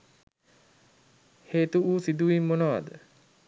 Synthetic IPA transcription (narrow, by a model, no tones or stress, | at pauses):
heːt̪uuːsid̪uʋimːonoʋa̰d̪ə